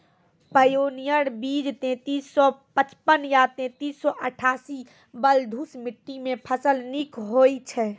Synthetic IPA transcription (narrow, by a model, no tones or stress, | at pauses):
pəjoːnijəɾbiːd͡ʒt̪ẽt̪iːssɔpət͡ʃpənjat̪ẽt̪iːsːɔʔəʈʰaːsi | bəld̪ʱusmɪʈːimẽpʰəsəlnikɦoːit͡ʃʰɛ